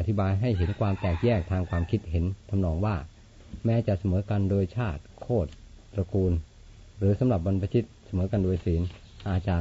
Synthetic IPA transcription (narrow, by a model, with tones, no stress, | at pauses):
ʔa˨˩t̪ʰi˦˥baː˧jɦa˥˩jɦe˩˦nkʰwaː˧mt̪ɛː˨˩k̚jɛː˥˩k̚t̪ʰaː˧ŋkʰwaː˧mkʰi˦˥t̪̚ɦe˩˦nt̪ʰa˧mnɔː˧ŋwaː˥˩ | mɛː˦˥t͡ɕa˨˩ʔsa˧mɤː˩˦˥ka˧ndoː˧jt͡ɕʰaː˥˩t̪̚kʰoː˥˩t̪̚pɾa˧kuː˧n | ɾɯː˩˦sa˨˦mɾa˨˩p̬̚wa˧npa˧t̪ʰi˦˥t̪̚sa˧mɤː˩˦ka˧ndoː˧jsiː˩˦n | ʔaː˨˧˩t͡ɕa˨˧